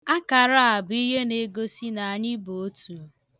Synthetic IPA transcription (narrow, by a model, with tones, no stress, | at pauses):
a˦ka˨ɾa˦a˨bi˦ɦe˦ne˨˦ɡo˦si˦na˨a˨ɲɪ˦bo˨o˦tu˨